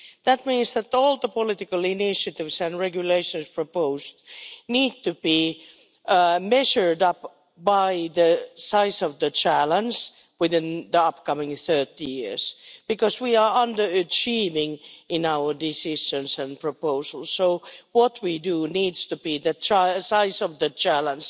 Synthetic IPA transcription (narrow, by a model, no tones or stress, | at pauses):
ðæt̚mĩnsðæt̪ɔlˠðəpəlɪtɪkəlˠɪnɪʃɨtɪvsɨ̃nɹɛɡjɨleɪʃɨ̃nspʰɹ̥opoʊstniːd̚tɨb̥i | mɛʒə˞dʌp | b̥aɪðəsaɪsʌvðət͡ʃʰælə̃nd͡ʒ | wɪðɪ̃nðiʌpkʌmɪ̃ŋθɜ˞tijɪɹz̥b̥ɨkʌzwiə˞ʌ̃ndə˞ɨt͡ʃʰivɪ̃ŋɪ̃naʊə˞dɪsɪʃɨ̃nsɨ̃npʰɹ̥əpoʊzəl̩ˠssoʊwʌt̚widunidz̥tɨbiðɨt͡ʃsaɪzʌvðɨt͡ʃælə̃ns